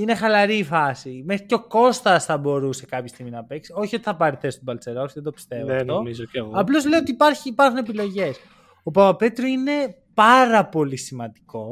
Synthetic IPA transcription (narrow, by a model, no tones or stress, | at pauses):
ine̞xɐlɐɾifɐsime̞xɾiceo̞ko̞st̪ɐsθɐbo̞ɾuse̞kɐpçest̪iɣminɐpe̞ksio̞çio̞t̪iθɐpɐɾiθe̞st̪obɐlt͡se̞ɾosiðed̪opi̥st̪e̞vofomizoɣɐplo̞zle̞iot̪ipɐɾçiːpɐɾxune̞pilo̞ʝe̞s | opɐpɐpe̞t̪ɾoine̞ | pɐɾɐpo̞lisimɐnd̪iko̞